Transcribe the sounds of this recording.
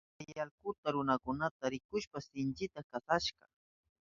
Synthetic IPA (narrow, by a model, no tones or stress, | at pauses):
ajalkʊt̪aɾʊnakʊnat̪aɾɪkʊʃpasɪnt͡ʃɪt̪akasaʃɢɑ̰